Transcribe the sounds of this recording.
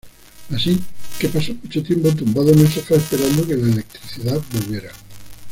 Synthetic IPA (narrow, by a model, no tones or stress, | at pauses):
asike̞pasomut͡ʃot̪je̞mpot̪umbaðonesafaespe̞ɾand̪oke̞laele̞k̚t̪ɾiθiðabolβje̞ɾa